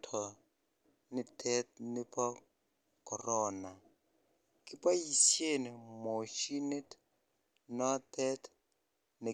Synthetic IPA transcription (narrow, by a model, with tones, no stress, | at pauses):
tʰɔ˨ | nɪ˦tʰɛ˦tnɪ˦pʰa˦ | kɔ˨rɔː˦na˨ | kʼɪ˦pʼa˦ji˨sje˦˨nɪ˨mo˨ʃi˦ne˦t | nɔ˦tʰɛ˦t | nɪ˨